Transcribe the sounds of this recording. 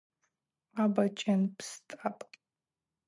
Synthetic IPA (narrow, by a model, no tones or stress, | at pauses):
abɐt͡ʃʼɐnpstʼapʼ